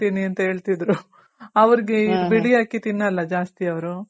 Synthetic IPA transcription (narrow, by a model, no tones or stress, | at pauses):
t̪iːniɐnt̪ɐɦeːɭt̪id̪ɾu | ɐʋɐɾiɡebeɭijaːkit̪inːɐlːɐd͡ʒaːst̪iɐʋɐɾu